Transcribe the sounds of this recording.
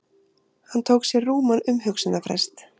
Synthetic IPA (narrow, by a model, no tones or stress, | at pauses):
hant̪ʰowksjɛruːmanʏmhʏksʏnafɾɛ̰st̪